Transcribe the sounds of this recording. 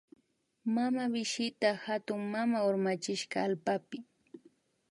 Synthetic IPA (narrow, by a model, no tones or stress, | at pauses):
mamawɪʃɪt̪ahat̪ʊŋmamaoɾmat͡ʃɪʃɢɑːlpapɪ